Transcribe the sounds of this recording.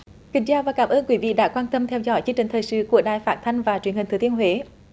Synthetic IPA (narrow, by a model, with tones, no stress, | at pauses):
kï˨˩ŋ̟t͡ɕaː˧vaː˨˩kaː˧˦mʔəː˧nkwi˨˦vḭ˧˨ɗa̰ː˧˥kwaː˧nt̪ə˧mt̪ʰɛ˧wzɔ̰˧˦jt͡ɕi˧əŋt͡ɕï˨˩ŋ̟t̪ʰəː˨˩jsɨ̰˧˨ku˧˩əɗaː˧˨˩jfaː˦˥t̚t̪ʰa˧jŋ̟vaː˨˩t͡ɕwənhi̟˨˩t̪ɨ˨˩t̪ənhɦwe˧˦